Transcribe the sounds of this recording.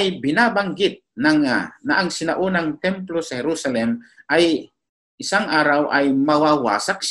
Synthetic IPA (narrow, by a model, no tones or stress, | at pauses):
ajbɪnaːbaŋɡɪt̪̚naŋanaʔaŋsɪnaʔunaŋt̪ɛmplosɐhɛɾusalɛmʔaj | ʔɪsaŋʔaːɾawʔajmɐwawa̰ːsak̚ʃ